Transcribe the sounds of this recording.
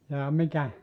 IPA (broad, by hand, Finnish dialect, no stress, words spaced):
jɑː mikæ